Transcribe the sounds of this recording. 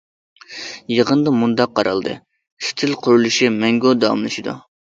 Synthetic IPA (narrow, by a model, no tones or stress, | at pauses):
jəʁənd̪ɑmund̪ɑqʰːɑɾʔɑ̰lˠd̪ɨ̰ | st̪ʰɪlqʰʊɾulˠuʃimɛŋɡod̪ɑɑ̰mlˠɨʃid̪ṵ